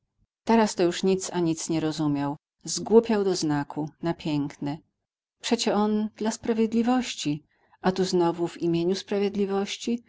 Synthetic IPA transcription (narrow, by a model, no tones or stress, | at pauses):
t̪ɛɾast̪ɔjuʂɲit̪saɲit̪sɲɛɾɔzumʲjaw | zɡwupʲjawd̪ɔznakʰunapʲjɛŋknɛ | pʂɛt͡ɕɛɔnd̪̥laspɾavʲjed̪lʲivɔɕt͡ɕi | at̪uznɔvuvimʲjeɲuspɾavʲjed̪lʲivɔɕt͡ɕi